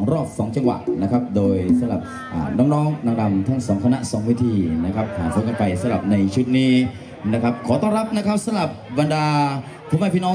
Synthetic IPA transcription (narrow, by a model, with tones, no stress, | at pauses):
ŋɾɔː˥˩p̚sɔː˩˦ŋt͡ɕa˧ŋwa̰˨˩ʔna˦˥kʰa˦˥p̚doː˧jsa˨˦mɾa̰˨˩p̚ | ʔa̰ː˨˩nɔː˦˥ŋnɔː˦˥ŋnɔː˧˩ŋda˧mt̪ʰa˦˥˩ŋsɔː˩˦ŋkʰa˧na̰˦˧˥ʔsɔː˩˦ŋwi˦˥˩t̪ʰiː˧na˦˥kʰa˦˥p̚haː˩˦ko˨˦nka˧npa˧jsa˨˧˦mɾa˨˩p̚na˧jt͡ɕʰu˦˥t̪̚niː˦˥ | na˦˥kʰa˦˥p̚kʰɔː˨˦t̪ɔː˥˧˩ŋɾa˦˥p̚na˦˥kʰa˦˥p̚sa˨˦mɾa˨˩p̚ba˧ndaː˧ | pʰu˧˥˦ma˥˩pʰiː˥˧nɔː˦˥